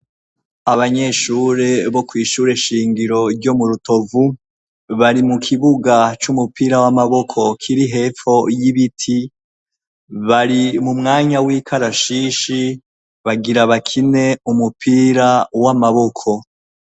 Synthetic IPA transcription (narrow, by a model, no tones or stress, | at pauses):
aβaɲe̞ʃuːɾe̞βo̞kwiːʃuɾe̞ʃiːŋɡiɾo̞ɾɟo̞muɾuto̞vu | βaɾimukʰiβuɡat͡ʃumupiːɾawamaβo̞kʰo̞kʰiɾiɦe̞ːfo̞jiβitʰi | βaɾimumŋaːɲawiːkʰaɾaʃiːʃi | βaɡiɾaβakʰine̞umupiːɾawamaβo̞kʰo̞